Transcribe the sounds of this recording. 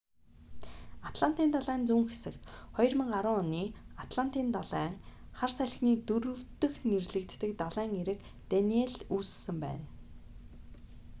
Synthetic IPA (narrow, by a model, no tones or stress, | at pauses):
at̪ɮan̥t̪iːnt̪aɮæːnt͡suŋxe̥sɘ̆kt̪χɔjɞ̆rmə̆ɴɢaɾʊŋɔniːat̪ɮan̥t̪iːnt̪aɮæːŋχarsæɮ̆xniːt̪ɵɾɵ̆wt̪ɵ̆xnerɮɘ̆kt̪ːɘ̆kt̪aɮæːŋeɾɘ̆k | t̪anieɮuːssɘ̆mpæ̰ːn